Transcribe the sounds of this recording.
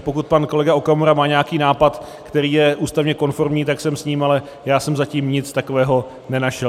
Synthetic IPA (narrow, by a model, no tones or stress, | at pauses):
po̞kut̪̚panko̞lɛɡaokamoɾamaːɲeakiːnaːpat̪ | kt̪ɛɾiːjɛʔuːst̪avɲɛko̞nfo̞ɾmɲiːt̪aksɛmsɲiːmalɛ | jaːsɛmzaciːmɲɪt͡st̪ako̞vɛːɦo̞ | nɛnaʃɛl